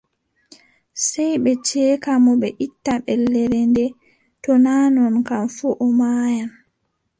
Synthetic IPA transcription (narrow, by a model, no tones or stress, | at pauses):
sɛjɓɛt͡ʃɛːkamɔɓɛʔitːaɓɛlːɛɾɛndɛ | tɔnaːnɔnkamfuʔɔmaːjan